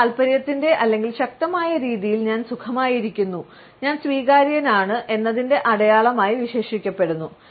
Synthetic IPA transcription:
ɐlpɐɾjɐt̪ːinde̞ʔɐlːe̞ŋɡilɕɐk̚t̪ɐmaːjɐɾiːðijilɲaːnsukʰɐmaːjiɾikʲːunːu | ɲaːnsʋiːɣaːɾjɐnaːɳɨʔe̞nːɐðinde̞ʔɐɽɐjaːɭɐmaːjiʋiɕe̞ːʂikʲːɐpːe̞ɽunːu

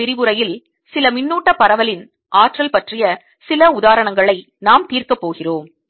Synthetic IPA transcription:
ɪɾɪʋɯɾɐjɪl | sɪlɐmɪnːuːʈːɐpːɐɾɐʋɐlɪn | ʔaːʈrɐlpɐʈrɪjɐ | sɪlɐʊðaːɾɐɳɐŋɡɐɭɐɪ | naːmt̪iːrkɐpːoːɣɪroːm

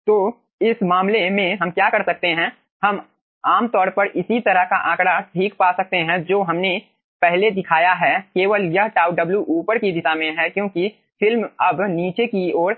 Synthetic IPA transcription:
t̪oː | ɪsmaːmlemẽɦɐmkjaːkɐɾsɐk̚t̪eɦɛ̃ | hɐm | aːmt̪ɔːɾpɐɾʔɪsit̪ɐɾəɦkaʔãːkɽaʈʰiːkpaːsɐk̚t̪eɦɛ̃d͡ʒoːɦɐmne | pɛɦled̪ɪkʰaːjaɦɛkeːʋəljɐɦʈaːʊɖɐbljuʔuːpəɾkid̪ɪʃamẽɦɛkjõːki | fʰɪlmɐbniːt͡ʃekioːɾ

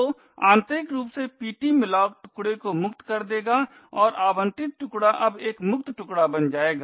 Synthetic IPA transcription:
o | ãːnt̪ɾɪkɾuːpsepiːʈimɪlaːʊkʈʊ̥kɽekomʊkt̪kɐɾd̪eːɡaː | ɔːɾʔaːbə̃nt̪ɪt̪̚ʈʊkɽaʔɐbeːkmʊk̚t̪ʈʊkɽabɐnd͡ʒaːeːɡa

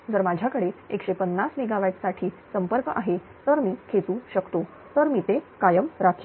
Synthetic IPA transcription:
d͡zəɾmad͡ʑʱjakəɽeekɕepənːasmeɡaʋaʈ̪saʈʰiː | səmpəɾkəʔaɦe | t̪əɾmiːkʰet͡suːɕəkt̪o | t̪əɾmiːt̪ekajəmɾakʰ

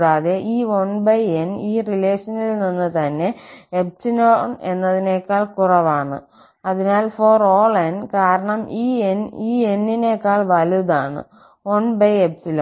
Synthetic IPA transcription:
ɽaːðe̞ʔiːʋɐɳbɐjeniːrileːʂɐnilninːɨt̪ɐnːe̞ep̚sinoːne̞nːɐðine̞kːaːɭkurɐʋaːɳɨ̰ | ɐðinaːlfoːroːɭenkaːɾɐɳɐmiːeniːenːine̞ːkːaːɭʋɐluðaːɳɨ̰ | ʋɐɳbɐjepsilɐm

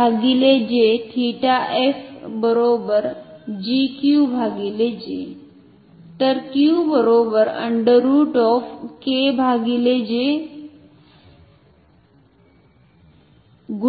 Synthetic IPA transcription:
aɡiled͡ʑeʈʰiʈaʔefbəɾobəɾd͡ʑikjubʱaɡiled͡ʑḛ | t̪əɾkjubəɾobəɾə̰ɳɖəɾuːʈɔfkebʱaɡiled͡ʑe | ɡu

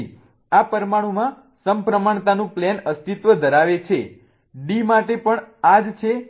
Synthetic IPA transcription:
apəɾmaɽ̃ũmã | səmpɾəmaɳt̪anũplɛnəst̪it̪ʋəd̪ʱəɾaʋet͡ʃʰe | ɖimaʈepəɳad͡ʒt͡ʃʰe

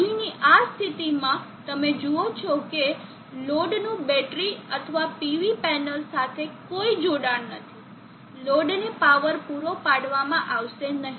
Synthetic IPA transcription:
iniʔast̪ʰit̪imã | t̪əmed͡ʒuot͡ʃʰɔke | loɖnũbɛʈɾiət̪ʰəʋapiʋipɛnəlsat̪ʰekoid͡ʒoɽaɳnət̪ʰi̥ | loɖnepaʋəɾpuɾopaɽʋamãʔaʋʃenəɦi

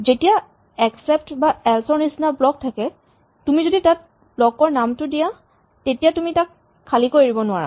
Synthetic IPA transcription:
zetija | ɛksɛp̚tbaɛlsɔɹnisnablɔk̚tʰakɛ | tumizoditat̚ | blɔkɔɹnamtʊdija | tetijatumitakʰː | alikojɹibɔnʊaɹa̰

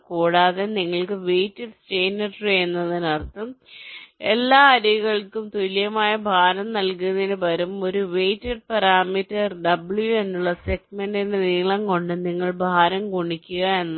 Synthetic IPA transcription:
kuːɽaːðeniŋːɐɭkɨʋeːjtːeɖsʈeːnɐɖrenːɐðinɐrt̪ːɐm | ḛlːaːɐɾiɣɐɭkːumt̪ulijɐmaːjɐbʱaːɾɐmnɐlkunðinɨpɐɾumo̞ɾuʋe̞jtːeɖ̚pɐɾaːmitːɐrɖɐbɭjue̞nːuɭːɐseɡmeɳɖineniːɭɐŋko̞ɳɖɨniŋːɐɭbʱaːɾɐmkoɳikʲːuɣɐe̞nː

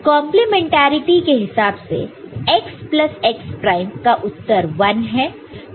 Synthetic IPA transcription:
kɔ̃ːmplemẽːɳʈaːɾɪʈikeɦɪsaːbsḛeksplɐseːkspɾaːɪmkaʔʊt̪ːəɾʋɐnɦɛː

